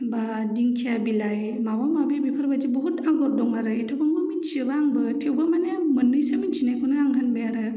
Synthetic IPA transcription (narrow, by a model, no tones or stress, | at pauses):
ba | diŋkʰiabilaj | mabamabibipʰaɾbad͡ʒibɔɦutaŋɡɔɾ̚dɔŋaɾɯitʰawbaŋbamint͡ʃibaaŋbɯtʰewbamanemɯnɯjsamint͡ʃʰinajkʰunɯaŋɦanbejaɾɯ